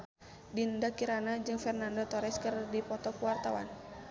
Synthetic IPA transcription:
dindakiɾanad͡ʒɨŋfɛrnandɔt̪ɔɾɛskɨrdipɔt̪ɔkuwart̪awa̰n

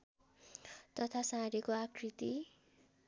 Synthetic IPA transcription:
t̪ʌt̪ʰasãɾekoakʰrit̪i

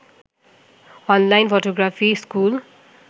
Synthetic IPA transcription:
ʌnlajnpʰoʈoɡrafʰiskul

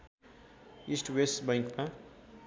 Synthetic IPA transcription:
isʈwesʈbʌj̃ŋkma

